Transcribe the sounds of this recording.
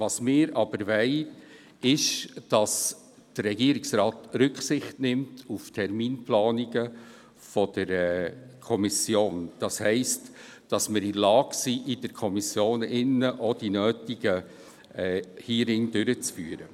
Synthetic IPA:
vɑsmɪːɾɑb̥əɾʋɛɪ | ɪʃd̥ɑs | d̥əːɛɡiːɾiksɾɑːtɾʏksɪχtnɪmtʰuftʰɛɾmiːnplɑːniɡə | fɔd̥əɾɛkʰɔmisjoːnd̥ɑshɛɪst | d̥ɑsmɪɾɪlɑːɡ̥siʔɪd̥əɾkʰɔmisjoːnɪnːəʔɔd̥inøːtiɡə | ɛhiːɾɪŋd̥ʏɾət͡sfyːɾə

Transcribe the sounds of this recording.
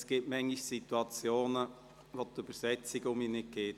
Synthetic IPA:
sɡ̥ɪtmɛŋiʃsit̪uɑt͡sjoːnə | ʋot̪yb̥əɾsɛt͡sɪɡʊminɪk̚ɡeːt

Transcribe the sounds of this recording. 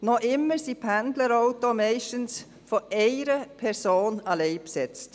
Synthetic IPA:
nɔʔɪmːəsipʰændləɾoʊtomɛɪʃtəns | foʔɛɪɾəpʰɛɾsoːnɑlɛɪpsɛt͡st

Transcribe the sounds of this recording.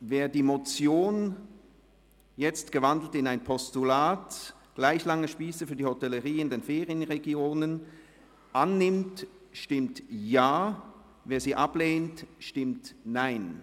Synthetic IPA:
veːɐdiːmot͡sjoːn | jɛt͡stɡ̥əvandl̩tɪnaɪnpʰɔstulaːt | ɡ̥laɪçlaŋəʃpiːsəfyːɐdiːhotɛləʁiːɪndeːnfeːʁiənʁeɡjoːnən | ʔanːɪmt | ʃtɪmtjaː | veːɐziːʔableːntʃtɪmtnaɪn

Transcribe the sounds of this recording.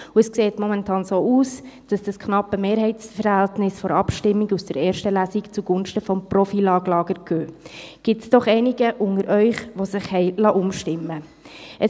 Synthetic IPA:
uəskseːtmɔmɛntʰɑːnsoːuːsd̥ɑsd̥ɑskʰnɑpːəmeːɾɦɛɪsfəɾhæltnɪsfɔɾɑpʃtɪmːiɡusd̥əɾeːɾʃtəlæsikt͡suɡ̥ʊnʃtəfɔmprɔfilɑːɡlɑːɡ̥əɾɡ̥øːɡ̥ɪtsd̥ɔχɛɪnɪɡəʔʊŋəɾʔœʏχʋosɪχhɛɪlɑʔʊmʃtɪmːə | ʔə

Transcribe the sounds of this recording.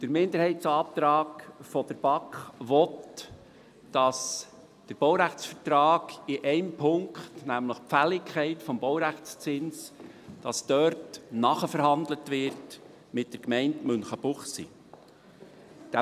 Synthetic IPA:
d̥əɾmɪnd̪əɾhɛɪtt͡sɑːp̚t̪ɾɑːkfɔd̥̪əɾb̥ɑkχʋɔt | d̥ɑs | d̥əɾb̥ɔwɾæχt͡sfətɾɑːɡ̥ɪʔɛɪmpʰʊŋkχtnæmləχpfælɪkʰχɛɪtfɔmbɔwɾæχt͡st͡sɪns | d̥ɑsd̥̪œɾtnɑχəfəɾhɑnd̪lətʋɪɾt | mɪt̚d̥əɾkmɛɪntmɵnχəbʊχsḭ | d̥æ

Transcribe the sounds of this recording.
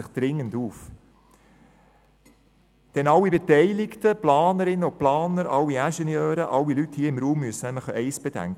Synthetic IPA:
ɪχd̥ɾɪŋːənduːf | d̥ɛnɑlːibetɛɪlɪktəplɑːnəɾɪnːəʊplɑːnəɾɑlːiæʃɛnjœːɾəʔɑlːilythiːəɪmɾuːmːyəsənæmləχʔɛɪsb̥ed̥æ̰ŋk

